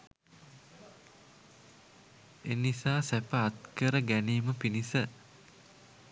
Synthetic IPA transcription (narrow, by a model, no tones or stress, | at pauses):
enisaːsæpəat̪kəɾəɡæniːməpinisə